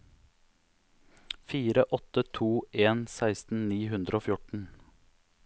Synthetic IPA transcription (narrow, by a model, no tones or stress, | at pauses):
fiːɾəʔɔt̪ət̪ʰuːʔeːnsæɪst̪n̩niːhʉnd̪ɾoːfjʊʈɳ̩